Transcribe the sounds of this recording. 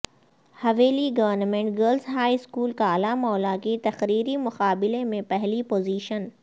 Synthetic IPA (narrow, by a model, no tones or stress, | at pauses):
hɐʋeːliɡɐʋəɾnəmẽːɳʈɡəlsɦaːiskuːlkaːlamɔːlakit̪ɐxɾiːɾimʊqaːbɪlemẽpɛɦlipoːziːʃən